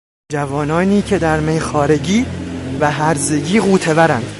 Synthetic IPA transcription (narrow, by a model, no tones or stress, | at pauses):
d͡ʒævɒːnɒːniːcʰe̞d̪æɾmejxɒːɾe̞ɟiːvæɦæɾze̞ɟiːɣuːt̪ʰe̞bæɾænd̪̥